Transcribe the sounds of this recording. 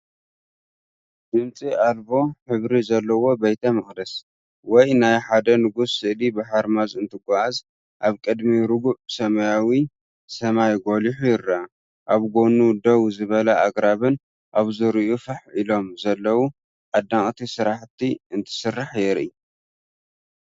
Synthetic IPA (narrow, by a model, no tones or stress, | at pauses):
d̪̥ɨmt͡sʼiʔalbo̞ħɨβɾizɐlːɐwo̞bɐjt̪ʰɐmɐxd̪ɐs | wɔjnajħad̪ɐnɨɡusːɨʔlibɨħaɾmazɨnt̪ʰɨɡaʔaz | ʔaβkʼɨd̪miɾɨɡuʕsɐmɐjawi | sɐmajɡoliħujɪɾɐa | ʔaβɡonud̪ɐwzɨβɐlɐʔaɡɾaβɨn | ʔaβzɨɾɨʔufɐħilo̞mzɐlːɐwu | ʔad̪naχʼt̪ʰisɨɾaħt̪iɨnt̪ʰɨ̥sɨrːaħjɪɾʔḭ